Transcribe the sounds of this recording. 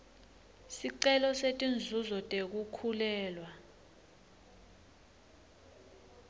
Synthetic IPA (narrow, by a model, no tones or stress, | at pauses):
siǀɛlɔsetʼind͡zʱuzɔtʼek̬ukʰulɛːlwa